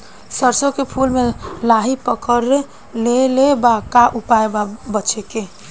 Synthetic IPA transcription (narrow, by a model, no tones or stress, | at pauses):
səɾsokepʰulmelaɦipəkəɾ | lelebakaʔupaebabət͡ʃʰeke